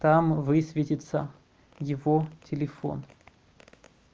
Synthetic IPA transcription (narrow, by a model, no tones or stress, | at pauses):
t̪amvɨsʲvʲetʲɪt̪sə | jɪvotʲɪlʲɪfo̰n